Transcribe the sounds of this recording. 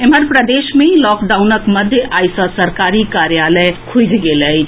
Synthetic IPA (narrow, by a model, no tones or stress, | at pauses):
eməɾpɾəd̪esmelɔkɖawnəkməd̪ʱjəʔajsʌ̃səɾkaɾikaɾjaləjkʰud͡ʒɡeləjʰ